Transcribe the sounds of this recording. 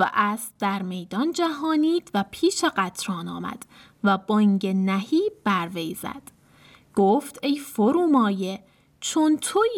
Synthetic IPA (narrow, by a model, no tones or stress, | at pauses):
væ̰ʔæst̪d̪æɾme̞jd̪ɒnd͡ʒæɦɒːniːd̪̥væpʰiːʃeɢæt̪ʰɾɒːnɒ̰ːmæ̰d̪̥ | væbɒŋɡenæhiːb̥æɾvejz̥æ̰d̪̥ | ɡ̥oːft̪ejfoɾuːmɒːje̞ | t͡ʃʰont̪ʰo